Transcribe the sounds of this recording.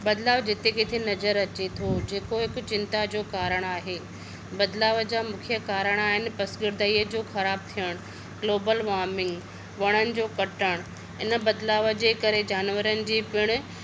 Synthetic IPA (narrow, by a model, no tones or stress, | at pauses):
bɐd̪laːʋd͡ʑɪt̪ekɪt̪ʰenɐzəɾɐt͡ɕet̪ʰod͡ʑeːkoɦɪk̆t͡ɕɪ̃nt̪ad͡ʑoːkaːɾəɽ̃aːɦeː | bɐd̪laːʋəd͡ʑaːmʊkʰijəkaːɾəɽ̃aːɦɪnɪ̆pɐsɡɪɾd̪ʱəiːəd͡ʑoːxɐɾaːb̚t̪ʰijəɽ̃ | ɡloːbəlʋaːɾmɪ̃ŋɡ | ʋɐɽ̃ənɪ̆d͡ʑoːkɐʈəɽ̃ | ɪnə̆bɐd̪laːʋəd͡ʑeːkɐɾed͡ʑaːnʋəɾənɪ̆d͡ʑiːpɪɽ̃ʊ̆